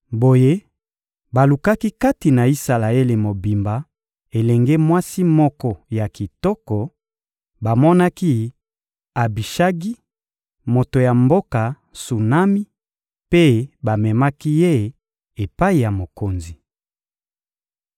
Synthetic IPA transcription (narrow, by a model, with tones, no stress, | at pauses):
bo˨je˦ | ba˨lu˨ka˦ki˦ka˦ti˨na˨i˦sa˨la˨e˦le˨mo˨bi˨mba˨ | e˨lɛ˨ŋɡe˦mwa˦si˦mɔ˦kɔ˦ja˨ki˨tɔ˦kɔ˨ | ba˨mɔ˦na˦ki˦ | a˨bi˨ʃa˦ɡi˦ | mo˨to˨ja˨mbo˦ka˨ | su˨na˦mi˦ | pe˦ba˨mɛ˨ma˦ki˦je˦˨ | e˨pa˦i˨ja˨mo˨ko˨nzi˨